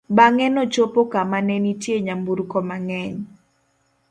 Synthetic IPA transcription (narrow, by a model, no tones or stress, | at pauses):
baŋɛnɔt͡ʃopokamanɛnitjeɲambuɾkɔmaŋɛɲ